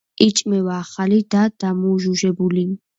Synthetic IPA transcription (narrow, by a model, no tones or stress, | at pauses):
it͡ʃʼmɛwaːχalid̪ad̪̥amuːʒuʒɛbuli